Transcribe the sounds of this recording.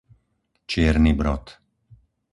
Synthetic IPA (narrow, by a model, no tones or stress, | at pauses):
t͡ʃeːɾnibɾɔt̪